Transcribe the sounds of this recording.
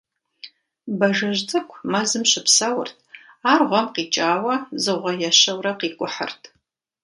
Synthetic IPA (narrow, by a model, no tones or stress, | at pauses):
bɐʒɐʒtʼɨkʷʰmɐzɨmɕɪpsɐwʊ̰rtʰ | aːrʁʷɔmqiːt͡ʃʼaːwɐzɨʁʷɔjɛɕɐwrɐqiːkʷʼʊħə̰rtʰ